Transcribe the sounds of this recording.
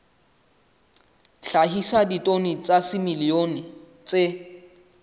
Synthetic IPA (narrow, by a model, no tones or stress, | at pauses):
ɬaɦisaditʼonit͡sʼasɪmilionɪ | t͡sʼe